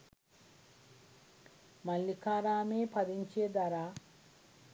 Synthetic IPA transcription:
mɐlːikaːɾaːmeːpɐd̪iɲt͡ʃeːd̪ɐɾaː

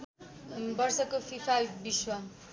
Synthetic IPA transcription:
bʌrsʌkopʰipʰajbiswʌ

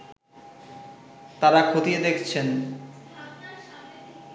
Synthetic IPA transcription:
t̪aɾakʰot̪ied̪ekʰt͡ɕʰen

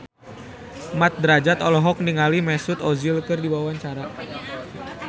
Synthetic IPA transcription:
mat̪̚dəɾad͡ʒat̪ɔlɔɦɔk̚niŋalimɛsʊt̪ɔzilkɨrdibawaɲt͡ʃaɾa

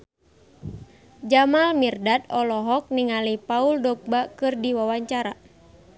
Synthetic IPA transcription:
d͡ʒamalmirdat̪ɔlɔɦɔk̚niŋalipauldɔk̚bakɨrdiwawaɲt͡ʃaɾa

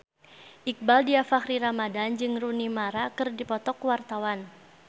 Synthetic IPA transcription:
ʔik̚baldiafakɾiɾamadand͡ʒɨŋrunimaɾakɨrdipɔt̪ɔkwart̪awan

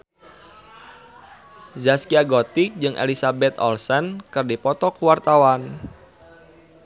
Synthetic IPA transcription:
zaskiaɡɔt̪ik̚d͡ʒɨŋʔḛlisabɛt̪ɔ̰lsɛnkɨrdipɔt̪ɔkuwart̪awan

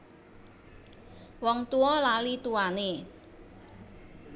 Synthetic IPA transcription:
wɔŋt̪uɔlalit̪uane

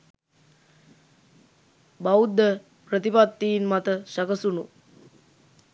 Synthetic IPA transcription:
baud̪ːə | prət̪ipat̪ːiːnmat̪əʃakəsunu

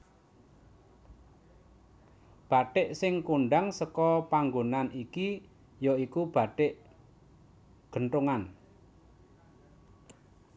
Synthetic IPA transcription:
b̥a̤ɖ̥ɪʔsɪŋkuɳɖaŋsəkɔpaŋɡonaniki | jɔikub̥a̤ɖ̥ɪʔ | ɡ̥ə̤ɳʈ̪uŋan

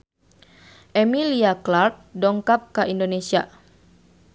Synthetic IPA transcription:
ʔemiliaklart̪̚dɔŋkap̚kaʔindonesia

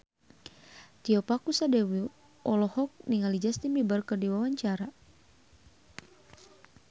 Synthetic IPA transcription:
t̪iɔpakusadɛwi | ɔlɔhɔk̚niŋalid͡ʒast̪inbibərkɨrdiwawaɲt͡ʃaɾa

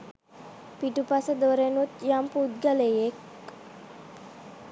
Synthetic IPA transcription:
piʈupasəd̪oɾenut̪jampud̪ɡalejek

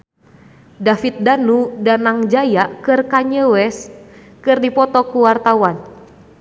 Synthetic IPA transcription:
dafit̪̚danudanaŋd͡ʒajaʔkɨrkaɲəwɛs | kɨrdipɔt̪ɔkuwart̪awan

